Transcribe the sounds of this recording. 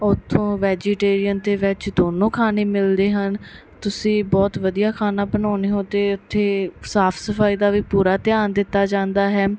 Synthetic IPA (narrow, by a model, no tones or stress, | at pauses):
ʊt̪ʰːõːʋɛːd͡ʒiːʈeːɾijənt̪eːʋɪt͡ʃd̪oːnõːkʰaːneːmɪld̪eːɦən | t̪ʊsĩːbɔːt̪ʋəd̪ijaːkʰaːnãːbənaːneːɦõːt̪eːʊt̪ʰːeːsaːpʰsəfaːiːd̪aːʋiːpuːɾaːt̪ɪjaːnd̪ɪt̪ːaːd͡ʒãːnd̪aːɦɛː